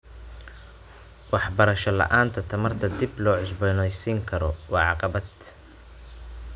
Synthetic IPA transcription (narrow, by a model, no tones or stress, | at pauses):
wɑħbɐɾɐʃɐlɐ̰ʔaːnt̪ʰɐt̪ʰɐmɐrt̪ʰɐd̪ɪblɔːʕʊsbɔnɔjsiːŋkʰɐɾɔwɑːʕɑqɑβɐd̪̥